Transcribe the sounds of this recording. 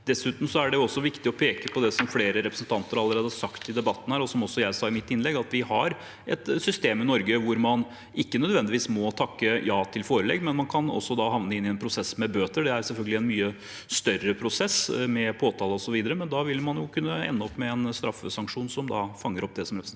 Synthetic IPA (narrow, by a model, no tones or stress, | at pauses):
d̪̥ɛsʉːt̪nm̩sɔæɖɛjʊɔsːɔʋɪkt̪ɪɔpʰeːkəpʰɔd̪ɛsɔmfleːɾəɾɛpɾəsn̩t̪ʰɑnt̪əɾɑlːəɾeːd̪əsɑkt̪ɪd̪ɛbɑt̪ːən̩hæːɾɔsɔmɔsːɔjæɪsɑːɪmɪt̪ːɪnlɛɡɑt̪ʋɪhɑɾ | ʔɛt̪sʏst̪eːmɪnɔɾɡəʋʊɾmɑn | ɪkːənœd̪ʋɛnd̪ɪʋiːsmɔt̪ʰɑkːəjɑːt̪ʰɪlfoːɾəlɛ̰ɡmɛnmɑnkʰɑnɔ̰sːɔd̪ɑɦɑʋnəɪnːɪɛnpʰɾʊsɛsːmɛbøːt̪əɖɛæɾsɛlfœlɡəlɪɛnmyːə | st̪œɾəpʰɾʊsɛsmɛpʰoːt̪ʰɑːlˠəɔsɔʋiːd̪əɾəmɛnd̪ɑʋɪlmɑnjʊkʰʉnːəɛ̰nːəɔpːmɛɛnst̪ɾɑfːəsɑŋkʂuːnsɔmd̪ɑ̰fɑŋːəɾɔp̚ːd̪ɛsɔmɾɛpɾə